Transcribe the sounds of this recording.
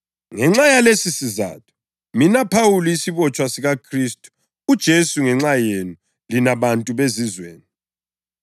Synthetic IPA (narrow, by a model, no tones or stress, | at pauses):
ŋɛŋ͡ǁajalesisiza̰ːtʰɔ̥ | minapʰawuluisiβɔt͡ʃʼwasiɣakʰristʼu̥ | ud̥ʒ̥ʱesuŋɛŋ͡ǁajenu | linaβantʼuβezizwḛːni